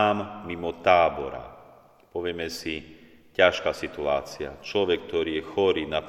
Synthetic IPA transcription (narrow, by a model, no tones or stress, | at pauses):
aːmmimɔt̪aːbɔɾa̰ | pɔʋɪɛmɛsi | caʃkaːsit̪ua̰ːt͡sia̰t͡ʃlɔʋɛkk̚t̪ɔɾiːjɛxɔɾiːnap